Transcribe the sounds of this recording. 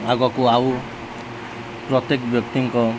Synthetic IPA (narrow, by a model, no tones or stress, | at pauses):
aɡɔkuaw | pɾɔt̪jekbjɔk̚t̪iŋkɔ